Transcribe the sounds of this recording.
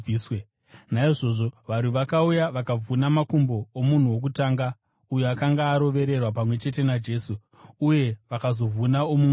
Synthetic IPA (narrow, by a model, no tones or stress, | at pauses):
iːswe | naiʐo̞ʐo̞ʋaɾiʋakaujaʋakavunamakumbo̞ːmun̤uwo̞k̬utaːŋɡa | ujoakaŋɡaːɾo̞ʋe̞ɾe̞rwapamwe̞t͡ʃe̞t̬e̞nad͡ʒe̞ːsuː | je̞ʋakazo̞vunaomu